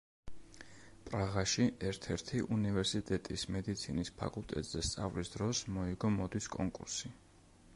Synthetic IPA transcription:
pʼɾaʁaʃiʔɛɾt̪ʰɛɾt̪ʰiʔunivɛɾsit̪ʼɛt̪ʼismɛd̪it̪sʰinispʰa̰kʼulˠt̪ʼɛ̰t̪ʼz̥ɛst̪sʼa̰vlisd̪ɾɔsmɔiɡɔmɔd̪iskʼɔŋkʼṵɾsi

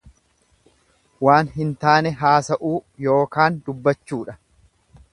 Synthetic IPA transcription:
waːnɦɪnt̪aːnɛɦaːsɐʔuːjo̞ːkaːnd̪ʊbːɐt͡ʃːuːᶑɐ

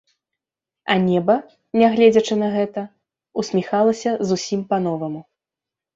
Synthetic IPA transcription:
ɐnʲɛbɐ | nʲaɣlʲɛd͡zʲɐt͡ʂɨnɐɣɛt̪ɐ | usʲmʲixalˠɐsʲɐzusʲimpan̪ɔvɐmu

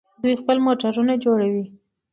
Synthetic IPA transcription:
d̪ujxpəlmoʈaɾunad͡ʒoɽawi

